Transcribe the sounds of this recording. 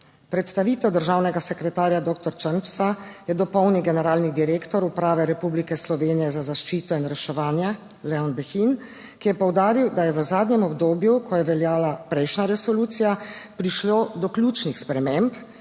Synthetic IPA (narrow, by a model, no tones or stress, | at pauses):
pɾɛt̪st̪aʋit̪ɛwd̪əɾʒaːwnɛɡasɛkɾɛt̪aːɾjad̪oːk̚t̪ɔɾt͡ʃənpsajɛd̪ɔpɔwniɡɛnɛɾaːlnid̪iɾeːkt̪ɔɾupɾaːʋɛɾɛpublikɛslɔʋeːnijɛzazaʃt͡ʃiːt̪ɔinɾɛʃɛʋaːnjɛ | lɛɔnbɛxin | kijɛpɔwd̪aːɾiwd̪ajɛʋəzaːd̪nɲɛmɔbd̪oːbjukɔjɛʋɛljaːlapɾɛjʃnaɾɛsɔluːt̪sijapɾiʃloːd̪ɔklʲjuːt͡ʃnixspɾɛmemp